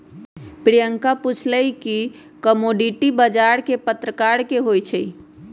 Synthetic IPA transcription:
pɾijəŋkaput͡ʃʰləjki | kəmoɖiʈibəd͡ʒaɾkepət̪ɾəkaɾkeɦojt͡ʃʰəj

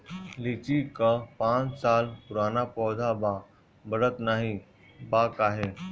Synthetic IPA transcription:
lit͡ʃikapãt͡ʃsaːlpʊɾaːnapɔːd̪ʱaba | bəɾət̪naːɦi | baːkaːɦe

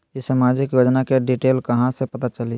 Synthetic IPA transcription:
ɪsamaːd͡ʒɪkjoːd͡ʒnakeɖiːʈeːlkɐɦãsepɐt̪at͡ʃəli

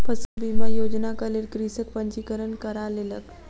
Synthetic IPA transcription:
pʰəsəbiməjod͡ʒnakəleɾkɾisək̚pəɲt͡ʃikəɾənkəɾalelək

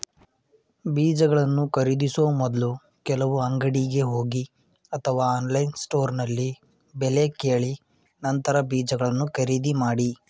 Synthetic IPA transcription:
biːd͡ʒɐɡɐɭɐnːukɐɾid̪isoːmɔd̪ɐlu | kɛlɐʋuɐŋɡɐɽiɡe̞ɦoːɡi | ɐt̪ʰɐʋaːaːnlɐjnsʈo̞ːɾnɐlːi | bɛle̞keːɭi | nɐnt̪ɐɾɐbiːd͡ʒɐɡɐɭɐnːukɐɾid̪imaːɽi

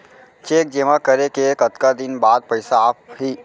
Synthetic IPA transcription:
t͡ʃeːk̚d͡ʒemãkəɾekekət̪kad̪ɪnbaːd̪̚pɐɪsaaːp̚ɦiː

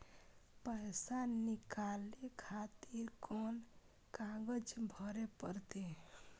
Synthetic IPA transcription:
pəjsanikalekʰat̪iɾkɔn | kãɡəd͡ʒbʱəɾepəɾt̪e

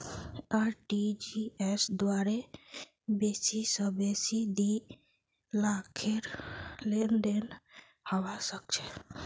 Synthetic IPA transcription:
aɾʈid͡ʒiesd̪waɾe | besisəbesid̪i | lakʰeɾlenɖen | haʋasək̚t͡ʃʰe

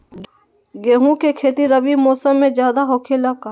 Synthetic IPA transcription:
ɡeːɦũkekʰeːt̪iɾɐbimoːsəmːẽd͡ʒjaːd̪aɦoːkʰelaka

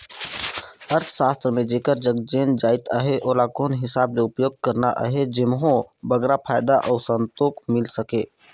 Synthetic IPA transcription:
əɾt̪ʰʃaːst̪ɾəmẽd͡ʒeːkəɾd͡ʒəɡd͡ʒeːnd͡ʒaːɪt̪əɦeʔoːlakoːnɦɪsaːbleʊpjoːɡ̚kəɾnaʔə̰ɦed͡ʒɪmɦõbəɡɾapʰaːjd̪aʔɔːsə̃nt̪oːkmɪlsəkeː

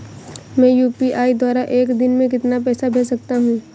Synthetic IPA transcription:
mɛ̃ːjuːpiʔaːid̪waːɾaʔeːkd̪ɪnmẽk̬ɪt̪napɛːsabʱeːsɐk̚t̪aɦũː

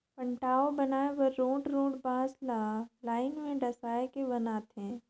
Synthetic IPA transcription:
pə̃ɳʈaːobɐnaːeʋəɾːõːɖɾõːɽbãːslaːlaːɪnmẽɖɐsaːekebɐnaːt̪ɦɛ̃ː

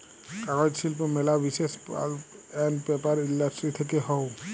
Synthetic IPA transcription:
kaɹɔjtsilpɔmɛlabisespa̰l | ɛnpɛpaɹindasʈɹit̪ʰɛkɛɦɔw

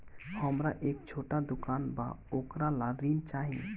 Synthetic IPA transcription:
həmɾaʔeːk̚t͡ʃʰoːʈad̪ʊkaːnba̰ | oːkɾalaɾiːnt͡ʃaːɦḭ̃

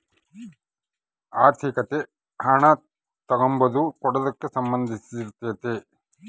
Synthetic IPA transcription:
aːɾt̪ʰikɐt̪e | hɐɳɐ | t̪ɐɡɐmbɐd̪ukɔɽɐd̪ɐkːesɐmbɐnd̪ʱisiiɾt̪eːt̪e

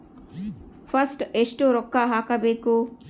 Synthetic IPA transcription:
pʰɐsʈeʂʈoːɾɔkːaɦaːkɐbeːku

